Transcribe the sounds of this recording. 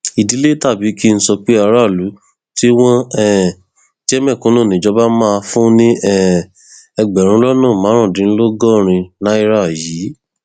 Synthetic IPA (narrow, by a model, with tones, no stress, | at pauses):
i˨di˨˦le˦ta˦˨bi˨˦ki˦n̩˦sɔ˧k͡pe˦a˧ɾa˦˨lu˨˦ | ti˦w̃ɔ̃˦ɛ˦˨ | d͡ʒɛ˦mɛ̃˦˨kũ˨˦nõ˦˨nĩ˨˦d͡ʒɔ˧˦ba˦mã˦˧fũ˦nĩ˦ɛ˦ | ɛ˧ɡ͡bɛ˨ɾ̃ũ˧˦lɔ˦nɔ̃ː˦˨mã˨˦ɾ̃ɔ̃˦˨dĩ˨˦lo˦ɡɔ˦˨ɾ̃ĩ˧nã˦i˧ɾa˦˨jiː˨˦